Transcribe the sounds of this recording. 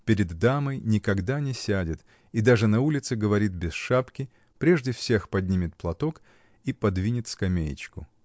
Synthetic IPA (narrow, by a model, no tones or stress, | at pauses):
pʲɪɾʲɪd̪ːaməjnʲɪkɐɡd̪anʲɪsʲædʲɪt̪ | id̪aʐɨnɐulʲɪt̪sɨɡəvɐɾʲit̪̚bʲɪsʂapkʲɪ | pɾʲe̞ʐdʲɪfsʲe̞xpɐdʲnʲimʲɪt̪̚plˠɐt̪ok | ipɐd̪vʲinʲɪt̪skɐmʲejɪ̰t͡ɕkʊ